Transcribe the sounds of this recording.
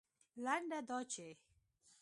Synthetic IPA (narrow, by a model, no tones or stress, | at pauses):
laɳɖad̪ɔt͡ʃe